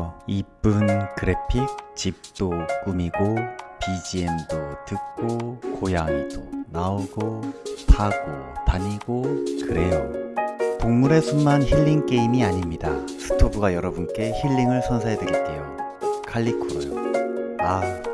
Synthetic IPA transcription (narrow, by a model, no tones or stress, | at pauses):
ip͈ɯnkɯɾe̞pʰik̚t͡ɕip̚t͈ok͈umiɡopid͡ʑiendotɯk̚k͈okojaŋidonaoɡotʰaɡotaɲiɡokɯɾe̞jo | poŋmuɾe̞sʰuŋmançiɭːiŋk͈e̞imiaɲimɲida | sʰɯ̥tʰobuɡajʌɾʌbunk͈e̞çiɭːiŋɯɭsʰʌnsʰaɦedweɡit͈e̞jo | kʰaʎːikʰoɾojo̰ | a